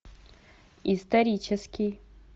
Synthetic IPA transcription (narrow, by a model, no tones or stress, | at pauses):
ist̪ʰɐɾʲit͡ʃʰɛskʲij